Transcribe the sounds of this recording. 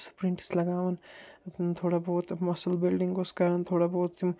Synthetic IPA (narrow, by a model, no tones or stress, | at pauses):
spɾɪ̃ɳʈslɐɡaːʋɐn | t̪ʰoːɽaboːt̪mɐsəlbɪlɖɪŋɡoskaɾɐnt̪ʰoːɽaboːt̪ːim